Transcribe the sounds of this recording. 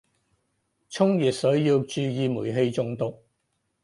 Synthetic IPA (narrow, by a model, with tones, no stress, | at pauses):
t͡sʰʊ˥ŋjiː˨˩t̚sɵ˨˥ɥjiː˧wt͡ʃyː˧jiː˨˧muː˨˩jɦe˧jt͡sʊ˧ŋt̪ʊ˨k̚